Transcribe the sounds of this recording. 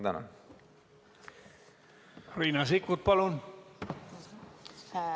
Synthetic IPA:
d̪ɑna̰ | riːnɑsikːut̪̚pɑlun

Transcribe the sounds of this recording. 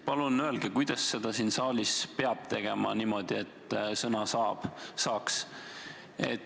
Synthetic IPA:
pɑlunøe̞lɡ̥ekujd̪̥ɑsːe̞d̪̥ɑsiːnsɑːlispeɑb̥̚t̪e̞ɡ̥e̞mɑ̰niːmo̞d̪ie̞t̪ːˑsɤnɑsɑːb̥sɑːks | ḛt̪

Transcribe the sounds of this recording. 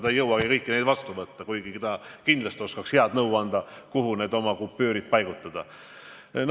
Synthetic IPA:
t̪ɑjɤwɑɡ̥ikɤjkːine̞jd̪vɑst̪uvɤt̪ːɑkujɡ̥iket̪ɑkind̪lɑst̪io̞skɑksheɑd̪nɤwɑnd̪ɑkuɦune̞ːd̪o̞mɑkupːøːɾid̪̚pɑjɡ̥ut̪ːˑɑd̪̥ɑ | n

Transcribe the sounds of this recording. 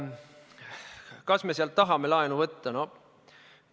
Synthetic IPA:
kɑsme̞seɑlt̪ːɑɦɑmelɑenuvɤt̪ːɑno

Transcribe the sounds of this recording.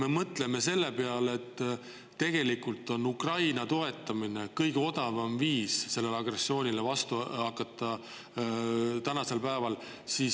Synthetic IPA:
me̞mɤt̪ˑle̞me̞se̞lːe̞peɑlet̪ː | e̞ɡ̥e̞likult̪ːˑo̞nukrɑjnɑt̪o̞e̞t̪ˑːɑmine̞kɤjɡ̥eo̞d̪̥ɑvɑmviːsse̞lːe̞leɑɡ̥re̞sːio̞ːnʲilevɑst̪uɑkːˑɑt̪ːˑɑ | t̪ænɑse̞lpæevɑl | sis

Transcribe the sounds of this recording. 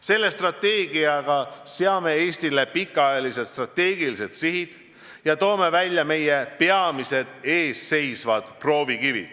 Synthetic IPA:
se̞lːe̞st̪rɑt̪ːe̞ːɡ̥iɑɡ̥ɑseɑme̞eːst̪ile̞pikːˑɑjɑlise̞t̪st̪rɑt̪ːe̞ːɡ̥ilise̞t̪siɦid̪̥ | jɑt̪o̞ːme̞vælʲjɑme̞je̞peɑmise̞d̪̥e̞ːsːe̞jsvɑd̪̥pro̞ːvikivḭd̪̥

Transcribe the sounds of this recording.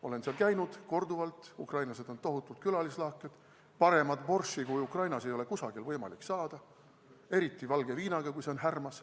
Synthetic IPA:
o̞le̞nseɑlkæjnud̪̥ko̞rd̪uvɑlt̪ˑukrɑjnlɑse̞d̪̥o̞nt̪oɦut̪ːˑult̪̚kylɑlislɑːkːˑed̪̥ | pɑɾe̞mɑd̪̥po̞rʃikujukrɑjnɑsejo̞le̞kusɑɡ̥ilvɤjmɑ̰likːsɑːd̪̥ɑ | e̞ɾit̪ˑːivɑlɡ̥e̞viːnɑɡ̥ɑkujse̞o̞nɦærmɑs

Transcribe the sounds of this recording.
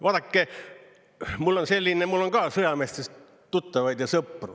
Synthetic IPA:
ʋɑːd̪ɑkːe | mulːonselʲːinemulːoŋɡɑːsɯjɑmest̪es | t̪ut̪ːɑʋɑjd̪̥jɑsɤpːrṵ̥

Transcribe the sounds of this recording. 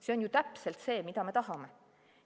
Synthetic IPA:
se̞onjut̪æpse̞lt̪se̞ːmid̪ɑme̞t̪ɑɦɑme̞

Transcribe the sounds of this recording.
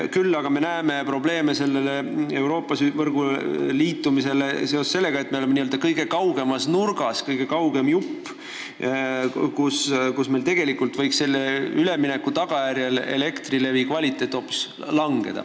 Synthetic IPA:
kylːɑɡ̥ɑme̞næːme̞pro̞ble̞ːmese̞lːelee̞wɾo̞ːpːˑɑsyvɤrɡ̥uliːt̪ːumise̞lese̞o̞sse̞lːe̞ɡɑe̞t̪̚ːˑmeole̞meniøld̪̥ɑkɤjɡ̥e̞kɑwɡe̞mɑsnurɡ̥ɑskɤjɡ̥e̞kɑwɡe̞mjupː | kuskusme̞lt̪e̞ɡ̥e̞likult̪vɤjkse̞lːeyle̞mine̞kːˑut̪ɑɡ̥ɑjæɾjɑle̞̰le̞kt̪rile̞vikvɑlʲit̪ːˑe̞jt̪ːˑo̞ːpːˑu̥s | lɑŋɡ̥e̞̰d̪̥ɑ̰

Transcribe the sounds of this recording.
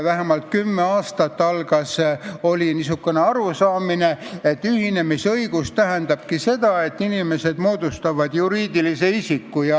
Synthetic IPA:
væɦemɑlt̪̚kymːeɑːst̪ɑt̪ːɑlɡ̥ɑso̞lʲinis̬ukːˑene̞ɑɾusɑːmine̞e̞t̪ːˑyhine̞misɤiɡ̥ust̪æɦend̪̥ɑb̥kise̞d̪̥ɑe̞t̪ːinime̞se̞d̪mo̞ːd̪̥ust̪ɑvɑd̪̥juɾiːd̪ilise̞isikːujɑ

